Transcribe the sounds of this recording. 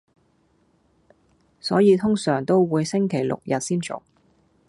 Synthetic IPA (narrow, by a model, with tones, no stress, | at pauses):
sɔː˨˥jiː˨˧t̪ʰʊ˥ŋsœː˨˩ŋt̪o˥wwuː˨˧jsɪ˥ŋkʰe˨˩jlʊ̰˨k̚jɐ˨t̚siː˥nt͡sʊ̰˨k̚